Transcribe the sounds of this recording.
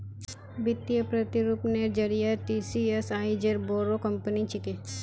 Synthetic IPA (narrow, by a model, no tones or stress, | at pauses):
bɪt̪ijəpɾɐt̪iɾupneɾd͡ʒɐɾijaʈisiesaːid͡ʒeɾboːɾokɐmpənit͡ʃɪke